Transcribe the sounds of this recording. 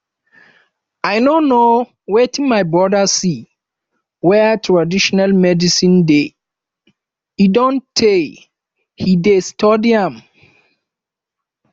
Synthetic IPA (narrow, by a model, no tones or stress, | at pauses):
aɪnono | wetʰĩmaɪbɹɔdasi | wɛtʰɹadiʃɔnalmɛdisĩnde | idɔ̃ntʰːe | hidestʰodiãm